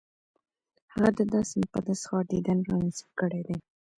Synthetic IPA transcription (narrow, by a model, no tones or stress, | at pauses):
haɣad̪əd̪ɑsɪmpa̰d̪asxɑɖid̪anɾɑnist̪kəɽed̪e